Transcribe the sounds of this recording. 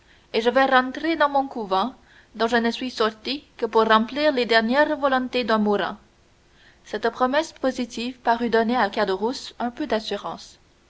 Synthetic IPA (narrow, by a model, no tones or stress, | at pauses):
eʒəvɛʁɑ̃t̪χed̪ɑ̃mɔ̃kuvɛ̃ | d̪ɔ̃ʒənəsɥisɔʁt̪ikəpuʁːɑ̃pliːʁled̪ɛʁnjɛʁvɔlɔ̃t̪ed̪ɛ̃muʁɛ̰̃ | sɛt̪pχɔmɛspozit̪ivpaʁyd̪ɔneakad̪əʁusœ̃pød̪asyʁɑ̰̃s